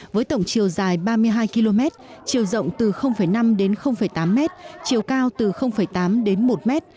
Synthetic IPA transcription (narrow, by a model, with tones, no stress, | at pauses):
vəː˨˦jt̪ə̰˧˨wŋ͡mt͡ɕi˨˩əwzaː˨˩jɓaː˧mɨ˧əjɦaː˧jki˧lo˧mɛ˦˥t̚t͡ɕi˨˩əwzə̰˧˨wŋ͡mt̪ɨ˨˩xə˧wŋ͡mfə˧˩jna˧mɗe˨˦nxə˧wŋ͡mfə˧˩jt̪aː˨˦mːɛ˦˥t̚t͡ɕi˨˩əwkaː˧wt̪ɨ˨˩xə˧wŋ͡mfə˧˩jt̪aː˨˦mɗe˨˦nmo˨˩t̚mɛ˦˥t̚